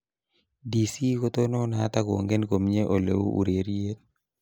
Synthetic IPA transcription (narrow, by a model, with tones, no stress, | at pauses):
di˨si˦ko˦t̪o˦no˦na˨˦t̪a˦ko˨ŋɡɛ˦nko˨mɲe˦ʔo˨lḛ˨wṵ˦ʔṵ˨ɾe˨ɾije˦t̪̚